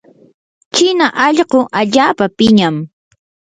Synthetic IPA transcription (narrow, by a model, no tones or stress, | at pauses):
t͡ʃɪnaʔɑʎɢoʔaʎaːpapɪɲam